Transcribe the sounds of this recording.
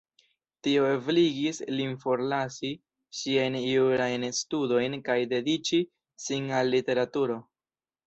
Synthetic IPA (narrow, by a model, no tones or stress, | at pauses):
tio̞ebliɡislinfo̞ɾlasi | ʃiajniuɾajnstudo̞jnkajde̞dit͡ʃi | sinalːite̞ɾatuɾo̞